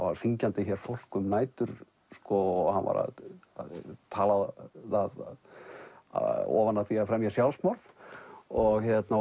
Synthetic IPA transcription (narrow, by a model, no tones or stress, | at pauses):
ava̰ɾ̥fiɲcant̪ɪçɛɾ̥fowl̥kʏmnaːjt̪ʏɾ̥ | skɔɣhanva̰ɾa̰ðat̪ʰaːlaaðð̰ | ɔ̰ːvanːaθiaðfɾɛmjasjawlsmɔɾð | ɔɣçjɛt̪na